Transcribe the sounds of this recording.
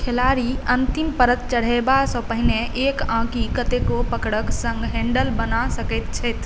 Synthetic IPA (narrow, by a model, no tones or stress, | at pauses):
kʰelaːɾiə̃nt̪ɪmpəɾət̪t͡ʃəɽ̤ebasɔ̃pəɦɪneʔeːkãːkikət̪ekopəkɽəksə̃ŋɡɦɛ̃ːɳɖəlbənasəkət̪t͡ʃʰɛt̪